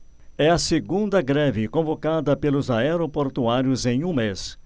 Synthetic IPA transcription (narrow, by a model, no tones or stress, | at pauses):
ɛɐseɡũnd̪ɐɡɾɛvɪkõvokad̪ɐpelʊzaɛɾopoɾt̪uaɾjʊzẽj̃ũmes